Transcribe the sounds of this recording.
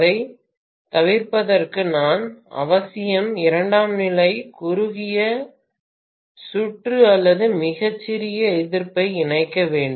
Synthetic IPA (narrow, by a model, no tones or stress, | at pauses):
ðɐɪ | t̪ɐʋɪɾpɐðɐrkɯnaːnɐ̰ʋɐsɪjɐmɪɾɐɳɖaːmnɪlɐɪkʊɾʊɣɪjɐ | sʊʈrɯɐlːɐðɯmɪɣɐt͡ʃːɪɾɪjɐɪðɪɾpɐɪɪnɐɪkːɐʋeːɳɖɯ